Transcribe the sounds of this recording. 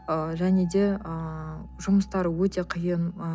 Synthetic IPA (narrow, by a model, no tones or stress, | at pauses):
əʒæne̞d̪e̞əʒʊməst̪ɑɾəwɵt̪e̞qʰijən